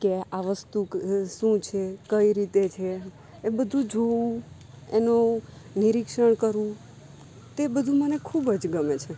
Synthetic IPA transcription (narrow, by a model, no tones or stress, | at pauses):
keaʋəst̪ukʃũt͡ʃʰekəiɾit̪et͡ʃʰeː | bəd̪ʱũd͡ʒoʋũ | enoniɾikʃəɳ̃kəɾʋũ | t̪ebəd̪ʱũmənekʰubəd͡ʒɡəmet͡ʃʰe